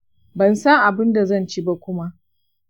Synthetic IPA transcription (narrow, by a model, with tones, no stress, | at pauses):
bɐ˨nsɐ˦ŋʔa˨bɪ˦nda˨zɐ˦˨nt͡ʃi˦ba˦kʷʊ˦ma˦ʔ